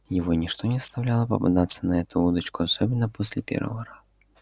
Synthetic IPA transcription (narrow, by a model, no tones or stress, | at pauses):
jɪvɔnʲiʂt̪ɔnʲɛzɐ̥st̪awlʲalˠɐpɐ̰bɨ̰d̪at̪sːɐnɐɛt̪uud̪ɐt͡ʃkʊasɔbʲɪnːɐpɔsʲlʲɛpʲɛ̰rvə̰vɐɾaz